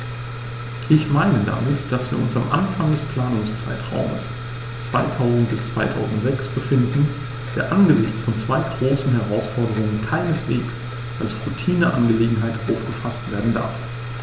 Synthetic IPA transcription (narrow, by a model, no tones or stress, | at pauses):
ʔɪçmaɪnəda̰mɪtd̥asv̥iːɐʊnsamʔa̰nfaŋdɛspl̥aːnʊŋst͡sa̰ɪtʁ̥a̰ʊmə̰s | t͡sv̥a̰ɪtʰaʊzn̩t̚b̥ɪst͡sv̥a̰ɪtʰa̰ʊzn̩tz̥ɛksb̥əfɪndn̩ | d̥eːɐʔanɡəzɪçt͡sfɔnt͡sv̥aɪɡʁoːsn̩ɦɛʁaʊsfɔɐdəʁʊŋənkʰaɪnəsv̥eːks | ʔalsʁutʰiːnəʔa̰nɡəleːɡŋ̩ɦaɪtʔaʊfɡ̥əfastv̥eːɐdn̩da̰ɐf